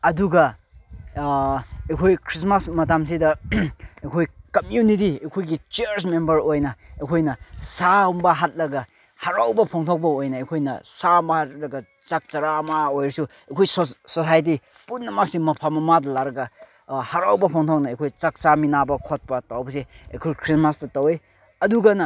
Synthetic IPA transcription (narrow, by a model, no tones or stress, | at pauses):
ɐduɡɐ | ekʰojkʰɾis̬masmɐt̬ams̬idɐ | ekʰojkɐmjunit̬iekʰojɡit͡ʃeɾsmembɐɾojnɐekʰojnɐsambɐɦat̚lɐɡɐ | haɾawbɐpʰɔŋtʰok̚bɐojnɐekʰojnɐsambɐhat̚lɐɡɐ | t͡ʃak̚t͡ʃɐɾamaojɾɐsu | ekʰojssosajt̬i | punːɐmak̚simɐpʰamɐmadɐlaɾɐɡɐ | haɾawbɐpʰɔŋtʰok̚nɐejkʰojt͡ʃak̚t͡ʃaminabɐkʰot̚pɐtawbɐseḛkʰojkʰɾismastɐtɐwe | ɐduɡɐnɐ